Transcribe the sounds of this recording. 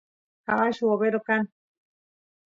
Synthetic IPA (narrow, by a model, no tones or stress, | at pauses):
kawaʃuoβeɾokan